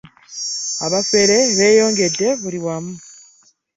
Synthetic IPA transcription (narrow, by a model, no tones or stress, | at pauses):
aβafe̞ɾe̞βe̞ːjo̞ːŋɡe̞de̞βuliwamu